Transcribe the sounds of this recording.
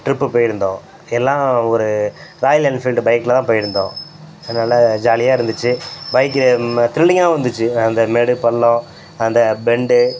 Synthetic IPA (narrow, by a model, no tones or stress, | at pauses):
ʈɾɪpːɯpoːjɪɾɯnd̪õ̰ː | ɛlːãːɔɾɯɾaːjɪlɐnfiːlɖbɐɪkːɯlɐt̪ãːpoːjɪɾɯnd̪õ̰ː | ɛðɐnaːlɐd͡ʒaːlɪjaːɪɾɯnd̪ɯt͡ʃːɯbɐɪkːɯt̪ɪɾɪɭːɪŋɡaːʋɐnd̪ɯt͡ʃːɯɐnd̪ɐmɛɽɯpɐɭːõ | ɐnd̪ɐbɛɳɖɯ